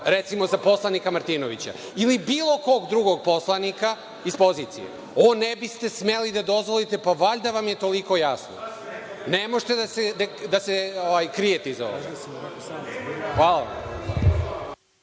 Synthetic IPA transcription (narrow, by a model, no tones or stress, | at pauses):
ɾet̪simo̞zapo̞slˠanikamaɾt̪inoʋit͡ɕa̰ | ilibiːlˠo̞ko̞ɡd̪ɾuɡo̞ɡ̚po̞slˠanika | ispo̞zit̪sḭjḛ | onebist̪e̞smelid̪ad̪o̞zʋolit̪e̞paʋaʎd̪aʋamjet̪o̞liko̞jasno̰ | nemoʒt̪ed̪ased̪ad̪aseoʋajkɾijet̪eizao̰ʋe | xʋaːlaa̰m